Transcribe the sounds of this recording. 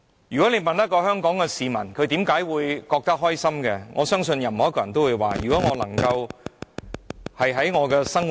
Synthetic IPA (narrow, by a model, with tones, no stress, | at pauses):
jyː˨˩kɔ˨˥ne˨˧jmɐ˨nt̪ɐ˥t̚kːɔː˧hœː˥ŋkɔː˨˥ŋkɛ˧siː˨mɐ̰˨˩nkʰɵ˨˧ɥt̪iː˨˥mkaː˨˥jwuː˨˧jkɔː˧k̚t̪ɐ˥k̚ɦɔː˥jsɐ˥mkɛ˧ŋʔɔ̰ː˨˧sœː˥ŋsɵ˧njɐ˨˩mhɔ˨˥kːɔ˧˨jɐ˨˩nt̪o˥wuː˨˧jwa̰ː˨jyː˨˩kɔ˨˥ŋɔː˨˧lɐ˨˩ŋkɐ˧w | hɐ˨jɦɐ˨˥jŋɔː˨˧kɛː˧sɐ˥ŋ